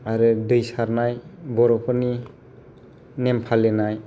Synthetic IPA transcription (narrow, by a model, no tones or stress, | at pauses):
aɾɯdɯjsaɾnajbɔɾɔpʰɯni | nempʰalenaj